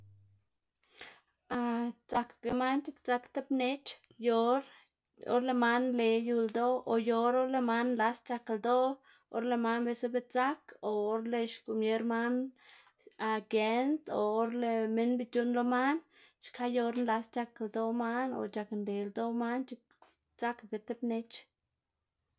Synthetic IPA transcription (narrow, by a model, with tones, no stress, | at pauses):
a˧t͡sa˧kke˧ma˦nt͡ʃi˧kt͡sa˧kt̪e˦pne˦t͡ʃ | jo˧ɾ | o̰˦ɾle˧ma˦nle˧˨ju˧ld̪o˦o˧jo˧ɾo˦ɾle˧ma˦nnla˧st͡ʃa˧kld̪o˦ | o̰˦ɾle˧ma˧˦nbe˧se˦be˧t͡sa˦koː˨˦ɾle˧ʃku˧˨mje˦ɾma˦n | a˧ɡe˧nt̪oː˨˦ɾle˧me˦nbi˧t͡ʃu˦nlo˧ma˦n | ʃkʰa˦jo˧ɾnla˧st͡ʃa˧ke˨ld̪o˧˦ma˦no̰˨t͡ʃa˧knd̪e˨ld̪o˦ma˦nt͡ʃi˧k̚ | t͡sa˦kɡe˧t̪e˦pne˦t͡ʃ